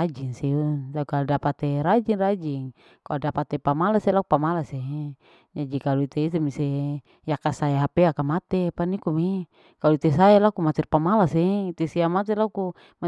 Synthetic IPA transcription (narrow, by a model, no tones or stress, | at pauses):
ad͡ʒiŋsiutakaludapat̪ɛɾad͡ʒiŋrad͡ʒiŋ | kaldapat̪ːɛpamalasɛlakupamalase | d͡ʒad͡ʒikaluit̪eit̪̬emise | jakasaeɦapɛakamat̪ɛpanikumi | kaluit̪esaelakumat̪ɛrpamalasɛit̪esiamat̪̬ɛlaku | ma